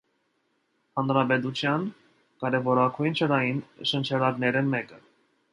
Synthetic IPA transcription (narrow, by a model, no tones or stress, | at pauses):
hɑnɾɑpɛt̪̬ut͡ʃʰjɑn | kɑɾɛvɔɾɑkʰujnt͡ʃʰəɾɑjinʃənt͡ʃʰɛɾɑɾnɛɾəmɛkə